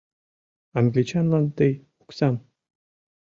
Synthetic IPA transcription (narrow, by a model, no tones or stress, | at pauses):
aŋɡlʲit͡ɕanlˠɑnt̪ej | u̥ksɑm